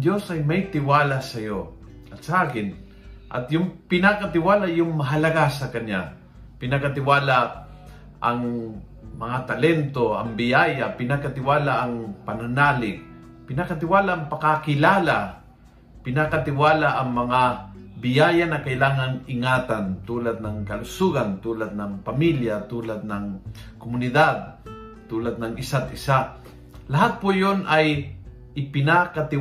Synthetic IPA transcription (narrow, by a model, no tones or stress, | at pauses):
d̪jo̞sɐjmɐjt̪ɪwaːlasɐjo | ʔɐt̪sɐʔaːkɪn | ʔɐ̰t̪jʊŋpɪnakɐt̪ɪwaːlajʊŋmɐɦɐlɐɡasɐkɐnja | pɪnakɐt̪ɪwaːla | ʔɐŋ | mɐŋat̪ɐlɛnt̪oɐ̰ŋbɪjajapɪnakat̪ɪwaːlaʔːŋpɐnɐnaːlɪk̚ | pɪnakɐt̪ɪwaːlaʔːŋpɐkakɪlaːla | pɪnakat̪ɪwaːlaʔɐŋmɐŋabɪjajanɐkɐɪlaːŋaŋɪŋaːt̪ant̪uːlad̪̚nɐŋkɐlʊsuɡant̪uːlad̪̚nɐŋpɐmiljat̪uːlad̪̚nɐŋkomʊnɪd̪ad̪̚ | t̪uːlad̪̚nɐŋɪsat̪̚ɪsa | lɐɦat̪̚pojonʔɐj | ɪpɪnakat̪ɪ